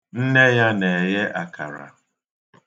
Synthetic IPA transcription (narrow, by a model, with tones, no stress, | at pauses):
n̩˦ne˦ja˦ne˨je˦ʔa˨ka̰˨ɾa̰˨